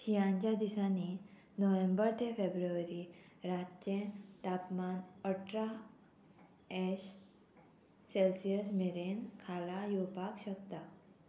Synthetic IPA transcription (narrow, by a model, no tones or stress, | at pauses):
ɕijãɲt͡ɕjad̪isani | nəʋẽmbəɾt̪ʰefebɾuʋəɾi | ɾat̪t͡ɕẽt̪apmanəʈʰɾa | ɛɕ | selsijəsmeɾenkʰalajupakɕəkt̪a